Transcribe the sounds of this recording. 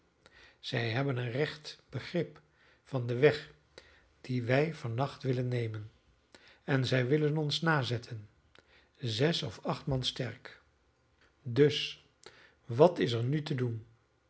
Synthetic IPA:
z̥ɛjɦɛbənənrɛχtb̥əχrɪp | fɑndəʋɛχ | d̥iʋɛjvɑnːɑχtʋɪlənːejmən | ɛnzɛjʋɪlənɔnsnaːzɛtʰən | zɛsɔfɑχtmɑnstɛɹk | dɵs | ʋɑtɪsəɹnytədun

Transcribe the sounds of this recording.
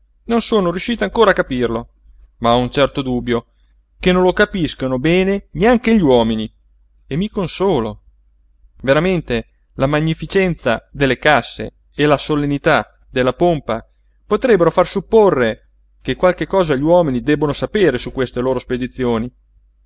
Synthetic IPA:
nonsoːnoɾjuʃːiːt̪aŋkoːɾakːapirlo | maɔunt͡ʃɛrt̪od̪uːbːjo | kenːõlokapiskonobɛːneneaŋk̟eʎːiwɔːmini | emːikonsoːlo | veɾament̪e | lamaɲːifit͡ʃɛnt̪sa̰d̪elːekasːḛː | lasolenit̪a | d̪elːapompa | pot̪ɾɛbːeɾofarsupːorːe | kekwalk̟ekːɔːzaʎiwɔːminid̪ɛbːonosapeːɾesukːwest̪eloːɾosped̪it̪sːjoːni

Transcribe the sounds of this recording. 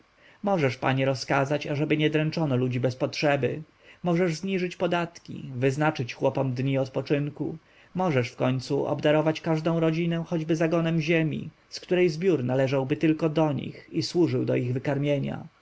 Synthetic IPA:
mɔʐɛʂpa̰ɲɛɾɔskazat͡ɕaʐɛbɘɲɛd̪ɾɛnt͡ʂɔnɔlud͡ʑibɛspɔtʂɛbɘ | mɔʐɛʐzɲiʐɘt͡ɕpɔd̪at̪kʲḭvɘznat͡ʂɘt͡ɕxwɔpɔmd̪ɲiɔt̪pɔt͡ʂɘŋkṵ | mɔʐɛʂfkɔɲt̪suʔɔ̰bd̪aɾɔvat͡ɕkaʐd̪ɔ̃w̃ɾɔd͡ʑinɛ̃xɔd͡ʑbɘzaɡɔnɛmʑemʲḭ | skt̪uɾɛjzbʲjuɾnalɛʐawbɘt̪ɘlkɔd̪ɔɲḭxiswuʐɘwd̪ɔ̰iɣvɘkaɾmʲjeɲa̰

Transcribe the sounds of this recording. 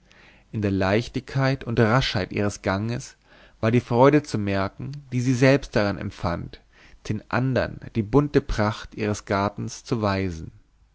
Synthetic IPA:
ʔɪndeːɐlaɪçtɪçkʰːaɪtʊntʁaʃhaɪtʔḭːʁ̞əsɡ̥aŋəs | v̥aːɐdiːfʁ̥ɔʏɾət͡sumɛɐkŋ̩d̥iːziːzɛlpst̚d̥aʁanɛ̰mfant | d̥eːnʔa̰ndɐ̰nd̥iːbʊntəpʁ̥aχtʔiːʁ̞əsɡ̥aɐtn̩st͡suvaɪzn̩

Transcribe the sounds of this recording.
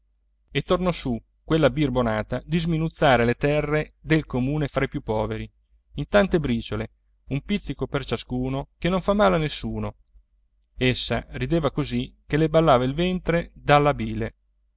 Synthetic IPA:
et̪ːornɔsu | kwelːabirbonaːt̪ad̪izminut̪sːaːɾelet̪ɛrːed̪elkomuːnefɾajpjupːɔːveɾi | int̪ant̪ebɾiːt͡ʃole | umpit̪sːikopert͡ʃaskuːnokenoɱfamːaːlanesːuːno | esːa̰rid̪eːvakozikːelebalːaːvailvɛnt̪ɾed̪alːabiːle

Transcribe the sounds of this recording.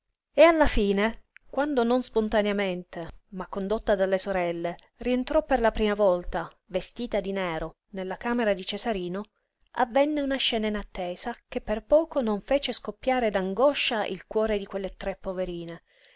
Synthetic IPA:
ealːafiːnekwand̪ononspont̪anjament̪emakːond̪ot̪ːad̪alːesoɾɛlːe | rient̪ɾɔpːerlapɾiːmavɔlt̪a | vest̪iːt̪ad̪inɛːɾo | nelːakaːmeɾad̪it͡ʃezaɾiːno | a̰vːɛnːeunaʃːɛːnainat̪ːeːzakepːerpɔːkonoɱfɛːt͡ʃeskopːjaːɾed̪aŋɡɔʃːaʔḭlkwɔːɾed̪ikwelːet̪ɾepːoveɾiːne

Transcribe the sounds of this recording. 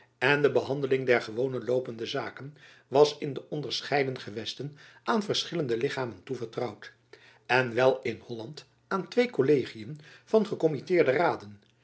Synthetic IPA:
ɛndəbəɦɑndəlɪŋdɛɹχəʋownənlowpəndəzaːkən | ʋɑsɪndəʔɔndəɹsχɛjdənχəʋɛstən | aːnvərsχɪləndəlɪχaːməntuvəɹtrɑwt | ɛnʋɛlˠɪnhɔlɑnt | aːntʋejkolejχijənvɑnχəkɔmitɪːɹdəraːdən

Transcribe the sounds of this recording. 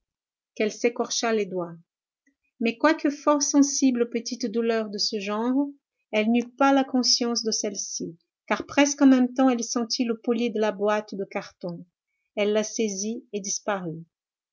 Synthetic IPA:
kɛlsekɔʁʃaled̪wa | mɛkwakəfɔʁsɑ̃siblopət̪it̪d̪ulœʁd̪əsəʒɑ̃ʁ | ɛlnypalakɔ̃sjɑ̃s̬d̪əsɛlsi | kaʁpχɛskɑ̃mɛmt̪ɑ̃ɛlsɑ̃t̪ʰiləpoljed̪əlabwat̪d̪əkaʁt̪ɔ̃ | ɛlːasezied̪ispaʁy

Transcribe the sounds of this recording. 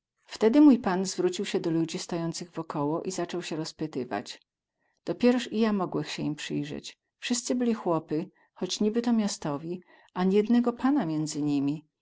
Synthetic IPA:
ft̪ɛd̪ɘmujpanzvɾut͡ɕiwɕɛd̪ɔlud͡ʑist̪ajɔnt̪sɘɣvɔkɔwɔʔizat͡ʂɔwɕɛɾɔspɘt̪ɘva̰d͡ʑ | d̪̥ɔpʲjɛɾɔʂijamɔɡwɛxɕɛimpʂɘjʐɛ̰t͡ɕ | fʂɘst̪sɘbɘlʲixwɔpɘ | xɔt͡ɕɲibɘt̪ɔmʲjast̪ɔvʲi | aɲɛjɛd̪nɛɡɔpanamʲjɛnd̪zɘɲimʲi

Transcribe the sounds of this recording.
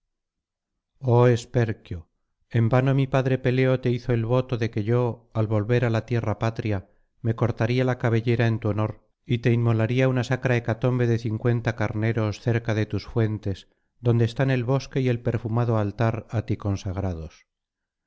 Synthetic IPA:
o̞e̞spe̞ɾkjo | e̞mbano̞mipaðɾe̞pe̞le̞o̞t̪e̞iθo̞e̞lβo̞t̪o̞ðe̞ke̞ʝo̞alβo̞lβe̞ɾalat̪je̞rapat̪ɾja | me̞ko̞ɾt̪aɾialakaβ̞e̞ʎe̞ɾae̞nt̪uono̞ɾ | it̪e̞inmo̞laɾiaunasakɾae̞kat̪o̞mbe̞ðe̞θiŋkwe̞nt̪akaɾne̞ɾo̞sθeɾkaðe̞t̪usfwe̞nt̪e̞s | ðo̞nd̪eːst̪ane̞lβo̞ske̞ie̞lpe̞ɾfumaðoalt̪aɾat̪iko̞nsaɣ̞ɾaðo̞s

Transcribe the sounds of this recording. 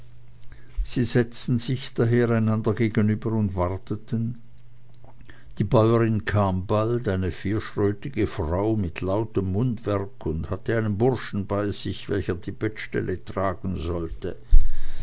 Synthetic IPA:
z̥iːzɛt͡stn̩zɪçd̥aɦeːʁaɪnandɐɡeːɡənyːbəʊntv̥aʁtətʰən | d̥iːbaʏəʁɪnkʰaːmbaltaɪnəfiːɐʃʁ̥øːtɪɡ̥əfʁ̥aʊmɪtʰlaʊtəmːʊndv̥ɛɐkʰʊnthatəaɪnənbʊʁʃn̩baɪz̥ɪçvɛ̰lçəɐdiːbɛtʃtɛ̰lʔətʁ̥aːɡn̩zɔltə

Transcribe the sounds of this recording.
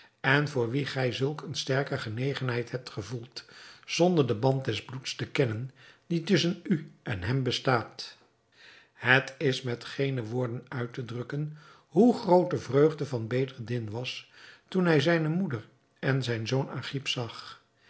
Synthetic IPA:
ɛnvʊːɹʋiχɛjzɵlˠkənstɛɹkəχənejχənɦɛjthɛp̚tχəvulˠtz̥ɔndəɹdəbɑnt̚dɛzblutstəkɛnənd̥itɵsənyʔɛnɦɛmbəstaːt | hətɪsmɛtχejnəʋʊːɹdənœɥtədrɵkən | ɦuχrowtəvrøɥχdəvɑnbejdəɹdɪnʋɑstunɦɛjzɛjnəmudəɹ | ɛnzɛjnzowna̰ːχipsɑχ

